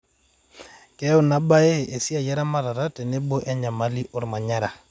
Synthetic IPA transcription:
kɛ˦ʊ˦˨na˨˦ba˦e˦e˨si˦a˨ja˦ɾa˦ma˦˨ɾa˨ɾa˦tɛ˨ne˦bo˦ʔɛ˦ɲa˨ma˦li˦ʔɔ˦ɾma˨ɲa˦ɾa˨

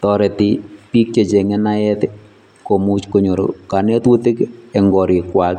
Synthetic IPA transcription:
tɔ˨ɾɛ˨ti˦pi˦k̚t͡ʃe˨t͡ʃe˨ŋɛ˦na˦jɛ˦t | ko˨mu˦t͡ʃko˨ɲo˨ɾo̰ka˨ne˦twu˦tɪ˦kɛ˨ŋɡɔ˨ɾɪ˨kwa˨k

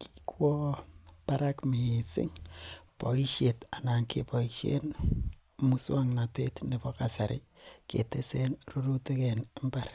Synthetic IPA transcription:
kʰi̥kwɔ˦pa˦ɾa˦kmi˨sɪ̰˦ŋpo˨i˦ʃje˨ta˨na˨ŋkḛ˨pɔ˨iʃḛ˦n | mu˦swa˦ŋna˨te˦tne˨bo˦ka˨sa˨ɾɪ˦kḛ˨te˦se˦nro˦ɾu˦ti˦kɛ˨ne˦mba˦˨r

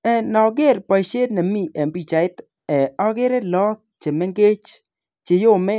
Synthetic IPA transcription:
ɛ˨nɔ˨ɡe˦˨ɾpa˨i˨ʃe˦dna˨mi˦ʔɛ˨mbi˨t͡ʃa˨ɪ˦t̪ | ɛ˨ɔ˦ɡe˦ɾe˦lɔ˦t̚t͡ʃe˨mɛ˦ŋɡe˦t͡ʃ | t͡ʃe˨jo˦mɛ˦

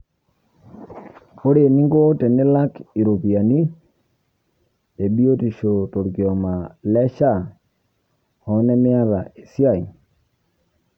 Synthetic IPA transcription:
o˦ɾe˨ni˦ŋɡo˦te˨nɪ˦la˦ki˨ɾo˨pi˨a˨ni˦ | e˨ɓi˦o˦ti˨ʃo˨to˨ɾɡi˨ɔ˨ma˨lɛ˦ʃa˦˨ | ɔ˨˦nɛ˦mɪ˦a˦ða˨e˨si˦a˨i˨

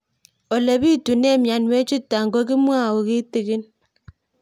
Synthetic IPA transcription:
ɔ˨le˨bi˦tu˨ne˦˨mja˨nwe˦t͡ʃu˦tːa˨ŋɡo˦k̬i˦mwa˦˨o˨ki˦ti˨ki˦n

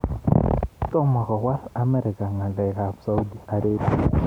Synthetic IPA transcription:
tɔ˦ma˨ɣɔ˨wa˦sa˦mɛ˦ɾi˨ka˨ŋa˨lɛ˨ka˨sa˦u˦di˨a˨ɾe˦bi

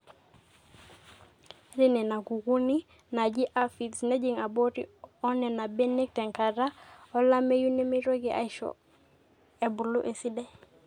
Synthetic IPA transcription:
ɾi˦nɛ˨na˨ɡu˨ɡu˦ni˦ | na˨d͡ʒi˦ʔa˦fi˨tsne˦d͡ʒi˨ŋa˨bo˦ɾḭɔ˦nɛ˨na˨bɛ˦ni˦k̚tɛ˨ŋka˨ɾa˦ɔ˦la˦me˦ju˦ni˦mi˦ɾo˦ɡi˨ʔa̰˨i˦ʃɔ̰˨ | e˨bu˨lu˦ʔe˨si˦dɛ˦

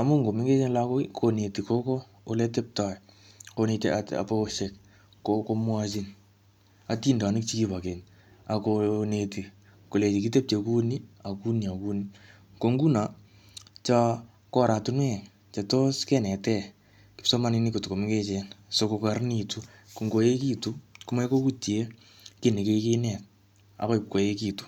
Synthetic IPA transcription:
a˨mu˦ŋɡo˨mɪ˦ŋɡe˦t͡ʃe˦nlako˦kʰo˨ne˨ti˨ko˦ko˦ | o˦le˦te˦p̚ta˨ | ko˧ne˧taa̰˨po˦ʃe˨k | koko˧˦mwa˦t͡ʃi˦n | a˦ti˦nda˨nɪ˦k̚t͡ʃi˦ki˦pa˨ke˨n | a˨kone˨ti˨ | ko˨le˨t͡ʃi˨ki˦te˦p̚t͡ʃe˨ku˦ni˦a˨ku˦nia˨ku˦ni | ko˨˧ŋɡu˦na˨ | t͡ʃa˧ | kɔ˦˨ɾa˨tu˦nwɛ˦˨ | t͡ʃe˨˧to˦skɛ˦nɛ˨tɛ˦˨ | kɪ˨psɔ˦ma˦ni˦ni˦ko˨tu˨ko˨mɪ˦ke˦t͡ʃɛ˨nso˧ko˧ka˨rni˨tu˦ | ku˨ŋɡo˧je˦ki˦tu˦ku˦ma˦ko˦ku˦tje˦ | ki˦ni˨ke˦ki˦nɛ˨t̚ | a̰˨ko˦i˨p̚ko˨je˦ki˦tu̥˨

